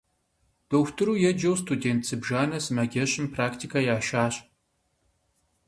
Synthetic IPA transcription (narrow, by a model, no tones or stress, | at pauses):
d̥oːxʷtʰɨɾuːjɛd͡ʒɐwstʰudeːntsɨbʒaːnɐsɨmɐɡʲɛɕʼɪmpʰraːktʰikʰajaːʃaːɕʼ